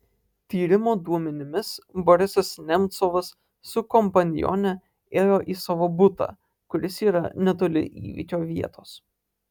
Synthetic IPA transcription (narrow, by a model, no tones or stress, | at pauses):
t̪ʲiːɾʲɪmoːd̪uɔmʲɛnʲɪmʲɪsbɔɾʲɪsɐsnʲɛmʲt̪soʋɐsː | ʊkɔmpɐnʲɪjɔ̰nʲɛ | eːjoːʔiːsɐʋoːbʊt̪ɑ̰ː | kʊɾʲɪsiːɾɐ̰nʲɛt̪̬oːlʲɪ̰ʔḭːʋʲḭˑkʲoːʋʲiɛt̪oːs